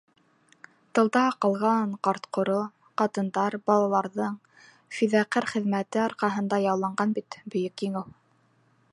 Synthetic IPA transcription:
t̪ɤ̆lˠd̪ɑɑqɑlˠʁɑɴqɑɾt̪qʰŏɾo | qɑt̪ɤ̆nd̪ɑɾbɑlˠɑlˠɑɾðɤɴ | fiðæqɘɾχɘ̆ðmæt̪ɘɑɾqɑɦɤ̆nd̪ɑjɑlˠːɑɴɢɑnbit̪bɵ̆jɵkjɘ̆ŋɘw

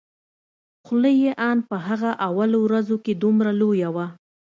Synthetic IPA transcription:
xʊləjeʔɑnpəɦaɣaʔawalowɾazoked̪umɾalojawa

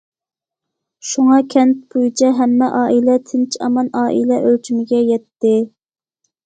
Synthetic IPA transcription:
ʃuŋɑkʲʰɛnt̪̚bojut͡ʃʰɛɦɛmːɛʔɑːʔilɛt̪ʰɪnt͡ʃʰiɑ̰mɑnɑːʔḭlɛʔølt͡ʃʰymɪɡʲɛjɛt̪ːɪ

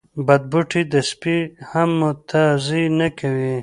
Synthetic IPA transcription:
bad̪̚buʈʰid̪əspihamːʊt̪ʰazinakawi

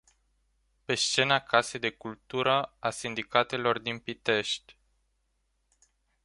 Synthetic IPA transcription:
pe̞st͡ʃe̞nakʰase̞d̪e̞kult̪uɾəasind̪ikat̪e̞lo̞rd̪inpit̪e̞ʃt̪ʲ

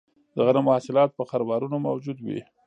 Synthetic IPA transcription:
d̪̥əɣanamʊhasɪlɑt̪̚pəxaɾbɑɾunomawd͡ʒud̪wḭ

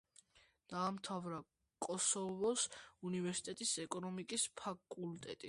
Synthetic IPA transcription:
d̪̥aːmt̪ʰavɾa | kʼɔsɔvɔsunivɛɾsi̥t̪ʼɛt̪ʼisɛkʼɔnɔmikʼispʰakʼult̪ʼɛt̪ʼi

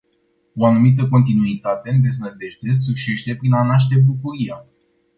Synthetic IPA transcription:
o̞anumit̪̬əko̞nt̪̬inuit̪at̪e̞nd̪e̞znəd̪e̞ʃt̪e̞s̬ukʃe̞ʃt̪e̞pɾinanaʃ̬t̪e̞bukuɾia

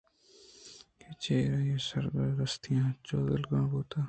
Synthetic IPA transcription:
ket͡ʃeːɾajẽsɐɾɡəɾːɐst̪ʰijãːt͡ʃoːd̪əlɡãːboːt̪aː

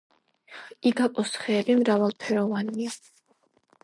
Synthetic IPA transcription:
iɡapʼɔsχɛːlimɾavalˠpʰɛɾɔvanmia

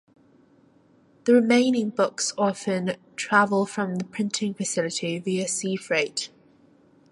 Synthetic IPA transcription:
ðəɹɪmẽɪ̃nɪ̃ŋbʊksɒfə̃ntʰɹ̥avəlˠfɹə̃mðəpʰɹ̥ɪ̃ntʰɪ̃ŋfəsɪlɪtʰiviəsiːfɹeɪt

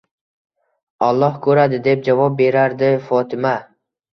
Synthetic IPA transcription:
ɒlˠːɒhkʰɵɾad̪ɪd̪e̞p̚d͡ʒavɒp̚be̞ɾaɾd̪ɪfɒt̪ʰɪma

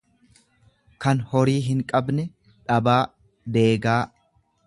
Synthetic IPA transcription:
kɐnhɔɾiːɦɪŋkʼɐbnɛ | ᶑɐbaː | d̪eːɡaː

